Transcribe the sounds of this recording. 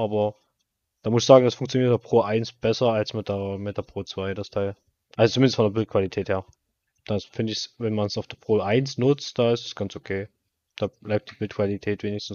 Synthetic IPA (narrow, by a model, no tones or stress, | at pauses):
ʔaːbɐ | d̥aːmʊsɪçz̥aːɡŋ̩d̥asfʊŋkt͡sjoniːɐtdːɐpʁ̥oːʔaɪnsb̥ɛsɐalsmɪt̚d̥emetdeɐpʁ̥oːt͡sv̥aɪdastʰaɪl | ʔalzot͡sumɪndəstfɔndɐbɪlt̚kv̥alitʰɛːtheːɐ | d̥aːfɪndəɪçsvɛnmansaʊfd̥eɐpʁ̥oːʔaɪnsnʊt͡std̥aːɪstḁsɡ̥ansokʰeː | d̥aːblaɪp̚d̥iːbɪlt̚kv̥alitʰɛːtv̥eːnɪçstn̩s